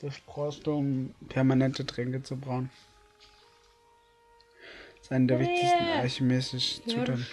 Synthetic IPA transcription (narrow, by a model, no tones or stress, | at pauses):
d̥asb̥ʁ̥ɔːstuʊmpʰɛɐmanɛntədʁɛŋkət͡subʁaʊn | ɪstʔaɪnədeːɐvɪçtʰɪçstn̩açemɛsɪʃutʰan